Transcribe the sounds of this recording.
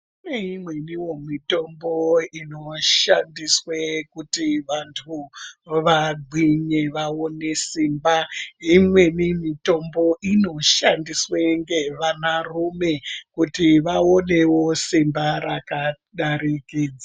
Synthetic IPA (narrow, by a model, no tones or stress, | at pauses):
uneimwe̞niwomito̞mboino̞ʃandiswekutiʋantʰuʋaɡ͡ǃʱiɲe̞ʋaonesimbaimwe̞nimito̞mbo̞ʔino̞ʃandisweŋɡe̞ʋanarume̞kutiʋao̞ne̞wo̞simbaɾaka | ɗaɾikiːd͡za